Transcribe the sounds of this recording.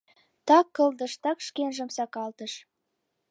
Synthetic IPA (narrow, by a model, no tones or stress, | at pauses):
t̪ɑkːɤ̆ld̪ə̆ʃt̪ɑkʃkenʒə̆msɑkɑlt̪əʃ